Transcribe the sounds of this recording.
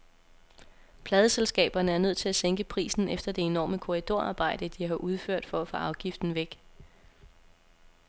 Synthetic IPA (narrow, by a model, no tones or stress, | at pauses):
pʰlɛːð̞ˠəselsɡ̥ɛ̰ːb̥ɐnəæɐnøð̞̰ˠt͡sʰe̝æseŋ̰ɡ̥əpʰʁḭːsn̩efd̥ɐd̥e̝e̝nɒ̰ːməkʰo̝ʁid̥o̝ɐɑ̰̈ːb̥ɑ̈ɪ̰d̥əd̥iɦɑ̈ʔuð̞ˠføɐ̰d̥fɒ̽æfɔ̽ʔɑ̈ʊɡ̥ifd̥n̩ʋeɡ̥